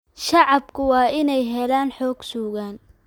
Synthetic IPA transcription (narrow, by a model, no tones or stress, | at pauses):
ʃɑʕɑbkʰʊwɑːɪnɛjɦɛlaːnħɔːɡ̥suːɣaːn